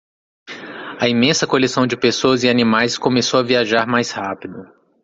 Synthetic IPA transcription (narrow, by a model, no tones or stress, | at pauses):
ɐimẽsɐkolesɐ̃w̃d͡ʒɪpesoɐzɪanĩmajskõmesowɐviaʒaɾmajshapid̪ʊ